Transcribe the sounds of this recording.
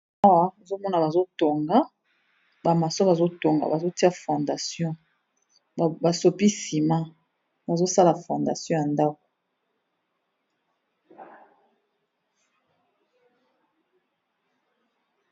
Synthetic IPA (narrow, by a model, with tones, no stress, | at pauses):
a˦wa˦˨zo˦mɔ˦na˨ba˨zo˦to˨ŋɡa˦ | ba˨ma˨so˦ba˨zo˦to˨ŋɡa̰˨ba˨zo˦ti˦a˦fɔ̃˨nda˨sjɔ̃˦˨ | ba˨so˨pi˦si˨ma˦ | ba˨zo˦sa˦la˨fɔ̃˨nda˨sjɔ̃˦ja˨nda˦ko̥˨